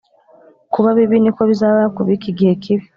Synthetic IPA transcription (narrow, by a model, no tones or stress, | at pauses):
kuβaβiβinikoβizalakuβikiɡeːkʰiβi̥